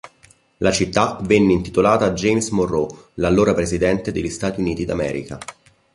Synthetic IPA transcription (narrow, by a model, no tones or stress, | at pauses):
lat͡ʃit̪ːavenːeint̪it̪olaːt̪ad͡ʒejmsmorːolalːoːɾapɾezid̪ɛnt̪ed̪eʎːist̪aːt̪iuniːt̪id̪amɛ̰ːɾḭka